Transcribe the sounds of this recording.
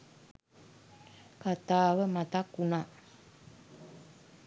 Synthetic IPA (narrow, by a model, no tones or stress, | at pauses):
kat̪aːwəmat̪akːuna